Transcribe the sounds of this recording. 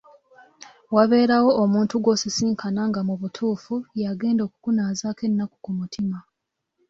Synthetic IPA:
waβe̞ːɾawo̞ʔːmuːntuɡwo̞sisiːŋkʰanaŋɡamuβutʰuːfujaɡe̞ːndo̞ːkukunaːzaːke̞nːaku̥kumutʰima

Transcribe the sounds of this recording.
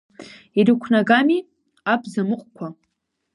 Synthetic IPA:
irikʷʰnaɡami | abzamɨqʷʼkʷʰa

